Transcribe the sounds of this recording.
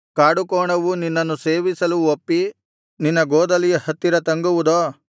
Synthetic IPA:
kaːɽukɔːɳɐʋuninːɐnːuse̞ːʋisɐluopːi | ninːɐɡɔːd̪ɐlijɐhɐt̪ːiɾɐt̪ɐŋɡuʋud̪oː

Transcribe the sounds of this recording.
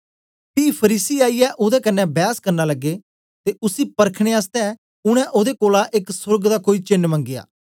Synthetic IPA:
piːpʰəɾiːsiaːiɛʔoːd̪ɛkənːɛbjaːskɐɾnaləɡːe | t̪eʔʊsipɐɾkʰɽ̃eaːst̪ɛ | ʊɽ̃ɛ̃ʔoːd̪ekoːlaʔɪksʊɾɡd̪akoːit͡ʃɪnːmə̃ŋɡɪja̰ː

